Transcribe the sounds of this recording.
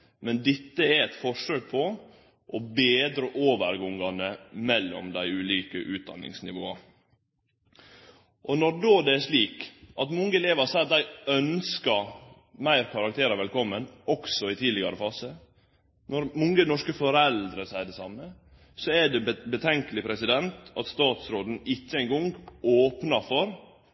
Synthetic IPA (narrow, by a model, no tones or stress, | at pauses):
mɛnd̪ɪt̪ːəæɾɛt̪fɔʂøːɡ̚pʰɔ | ʔɔbeːd̪ɾəʔoːʋəɾɡɔŋɑnəmɛlːɔ̰md̪æɪʉːliːkə̰ʔʉːt̪̚d̪ɑ̰nːɪ̰ŋsnɪʋo̰ːɑ | ʔɔnɔɾɖoːd̪ɛæʂɭiːkʔɑt̪mʊŋːəɛleːʋɑɾsæɑt̪̚d̪æɪœnskɑ | mæɪɾkʰɑɾɑk̚t̪ʰeːɾɑʋɛlkʰɔmːənɔksɔɪt̪ʰiːd̪lɪɡɑɾəfɑːsə | nɔɾmɔŋːənɔʂkəfɔɾɛld̪ɾəsæɪəɖ̪ɛsɑmːə | sɔɛɖɛbət̪ʰɛŋkəlɪpʰɾɛsɪd̪ɛnt̪ɑt̪st̪ɑːt̪sɾoːd̪n̩ɪçːəæɪŋɡɔŋɡoːpnɑɾfɔɾ